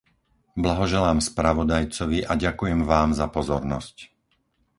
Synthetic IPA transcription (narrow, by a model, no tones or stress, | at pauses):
blaɦɔʒɛlaːmspɾaʋɔd̪ajt͡sɔʋiʔaɟakujɛmʋaːmzapɔzɔɾnɔ̰sc